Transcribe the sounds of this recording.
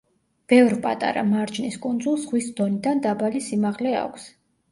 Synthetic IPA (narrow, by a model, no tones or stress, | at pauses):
b̥ɛvɾpʼa̰t̪ʼa̰ɾa̰maɾd͡ʒniskʼund̪zulˠsʁwisd̪ɔnid̪and̪abalisimaʁlɛa̰kʷʰs